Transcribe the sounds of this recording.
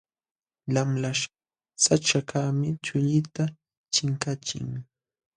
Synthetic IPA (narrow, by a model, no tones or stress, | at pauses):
lamlaʃ | sat͡ʃakamɪt͡ʃʊʎɪt̪a | t͡ʃɪŋkat͡ʃɪ̰ŋ